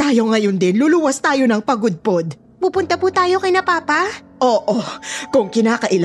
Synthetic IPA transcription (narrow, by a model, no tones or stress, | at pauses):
t̪aːjo̞ŋɐjond̪ɪnluluwɐst̪aːjo̞nɐŋpɐɡʊd̪̚po̞d̪ | pupʊnt̪ɐpuːt̪aːjo̞kɐjnɐpaːpɐ | ʔoːʔokʊŋkɪnaːkɐʔɪl